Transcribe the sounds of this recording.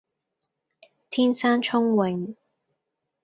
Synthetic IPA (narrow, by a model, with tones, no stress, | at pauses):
t̪ʰiː˥nsaː˥nt͡ʃʰʊ˥ŋwɪ˨˩ŋ